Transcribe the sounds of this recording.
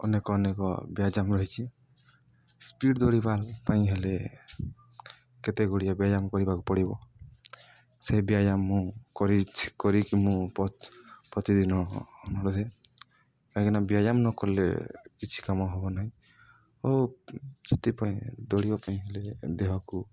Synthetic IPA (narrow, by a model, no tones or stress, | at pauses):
ɔ̰nekɔːnekɔ̰bijad͡ʒamɾɔɦit͡ʃʰi | spiʈd̪ɔɽibalpaĩɦele | kɛt̪eɡoɽijabiad͡ʒamkɔɾibakɔpɔɽibɔ̰ | sejbijad͡ʒamːũkɔɾikɔɾikimũppɔt̪id̪inɔnɔɽɔd̪ɛ | kajkinabiajamnɔkɔɾlḛkit͡ʃʰi̥kamɔɦɔbɔnaɦĩj | o | sɔt̪ipaj̃d̪ɔɽibapaĩɦeled̪eɦɔku